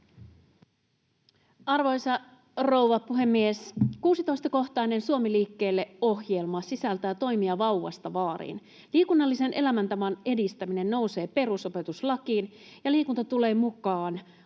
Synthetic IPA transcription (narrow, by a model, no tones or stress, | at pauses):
ɑrʋo̞jsɑ | ro̞wʋɑpuɦe̞mːieskuːsit̪o̞jst̪ɑko̞xt̪ɑine̞nsuomiliːkːe̞ːlːe̞o̞hje̞lmɑsisælt̪æjæɑt̪o̞jmiɑʋɑwʋɑ̰st̪ɑʋɑːɾḭːn | liːkunːɑlːise̞nʔe̞læmænt̪ɑʋɑne̞dist̪æmine̞nːo̞uwse̞ːpe̞ɾuso̞pe̞t̪uslɑkiːn | jɑliːkunt̪ɑt̪ule̞ːmukɑːn